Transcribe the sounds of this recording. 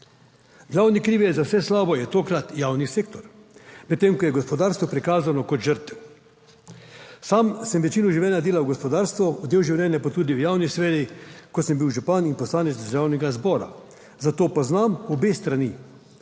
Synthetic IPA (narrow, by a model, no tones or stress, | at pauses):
ɡlawnikɾiːʋiɛzawsɛslaːbɔjɛt̪oːkɾat̪jaːwniseːk̚t̪ɔɾmɛt̪ːeːmkɔjɛɡɔspɔd̪aːɾst̪ʋɔpɾikaːzanɔkɔt̪ʒəɾt̪ɛ | saːmsɛmʋɛt͡ʃiːnɔʒiʋljɛːnjad̪eːlawɡɔspɔd̪aːɾst̪ʋɔud̪eːwʒiwlʲɛːnʲjapat̪uːd̪iwjaːwnisʋɛːɾikɔsəmbiwʒupaninpɔslaːnɛt̪d̪əɾʒaːwnɛɡazbɔːɾa̰ | zat̪oːpɔznamɔbeːst̪ɾani